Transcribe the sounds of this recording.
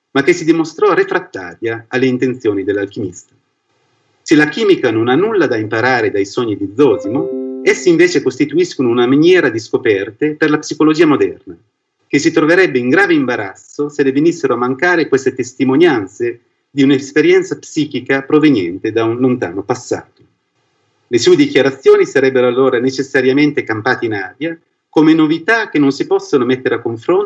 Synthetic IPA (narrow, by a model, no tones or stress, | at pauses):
mak̟ːesid̪imost̪ɾɔrefɾat̪ːa̰ːɾjaːlːeint̪ent̪sjoːnid̪elːalk̟imist̪ḁ | selak̟iːmikanonanːulːad̪aimpaɾaːɾed̪ajsɔɲːid̪id̪zɔːzmoɛsːiɱveːt͡ʃekost̪it̪uiskonounaminjɛːɾad̪iskopɛrt̪eperlapsikolod͡ʒiːamod̪ɛrna | k̟esːit̪ɾoveɾɛbːeiŋɡɾaːveimbaɾa̰t̪sːoselːevenisːeɾoamːaŋkaːɾekwest̪et̪est̪imonjant̪se | d̪iunespeɾjɛnt̪sapsiːkikapɾovenjɛ̰nt̪ed̪aunlont̪a̰ːnopasːa̰ːt̪o̥ | lesued̪ik̟jaɾat̪sːjoːnisaɾɛbːeɾoalːoːɾanet͡ʃesːaɾjament̪ekampaːt̪einaːɾja | komenovit̪ak̟ːenːonsipɔsːonomet̪ːeɾeakːoɱfɾon